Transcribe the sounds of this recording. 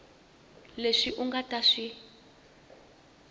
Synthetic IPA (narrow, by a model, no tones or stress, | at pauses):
leʂiʔuŋɡataʂi